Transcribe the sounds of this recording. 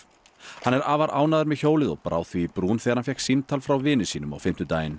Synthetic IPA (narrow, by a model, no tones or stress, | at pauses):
hanːɛɾaːvaɾʔaːwnaðʏɾmɛðçoːwlɪðɔ̰ɣpɾʔa̰ːwθviːpɾuːnθɛːɣɾhanfjɛhksint̪ʰalfɾawvɪːnʏsiːnʏma̰wfɪm̥t̪ʏt̪aːjɪn